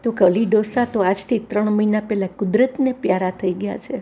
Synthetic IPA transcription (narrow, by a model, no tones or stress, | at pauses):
t̪okəliɖosat̪oad͡ʒt̪ʰit̪ɾəɳməinapɛlakʊd̪ɾət̪nepjaɾat̪ʰəiɡəja̰t͡ʃʰe